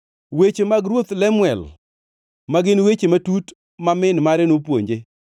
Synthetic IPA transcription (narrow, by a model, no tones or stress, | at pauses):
wet͡ʃemaɡɾwot̪lɛmwɛl | maɡɪnwet͡ʃematut | mamɪnmaɾenopwo̰ɲd͡ʒe